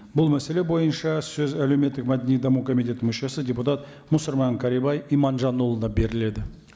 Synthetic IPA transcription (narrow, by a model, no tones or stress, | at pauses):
bʊlˠmæse̞le̞bo̞jənʃɑsɵzælewme̞t̪ːɪkmæd̪enijd̪ɑmukʰo̞mijt̪̬ʲe̞t̪mɵʃesəd̪ʲeput̪ɑt̪ | mʊsʊɾmɑŋkʰɑɾibɑjimɑnʒɑnːolˠənɑbe̞ɾɪle̞d̪ɪ